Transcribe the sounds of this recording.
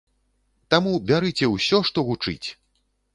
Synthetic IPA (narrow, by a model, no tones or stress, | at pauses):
t̪amubʲaɾɨt͡sʲɛwsʲɔʂt̪ɔɣut͡ʂɨ̰t͡sʲ